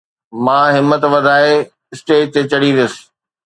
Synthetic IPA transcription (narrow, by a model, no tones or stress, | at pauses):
mãːɦɪmːət̪ʋɐd̪ʱaːe | ɪsʈeːʈ̚t̪et͡ɕɐɽiʋjəsɪ̥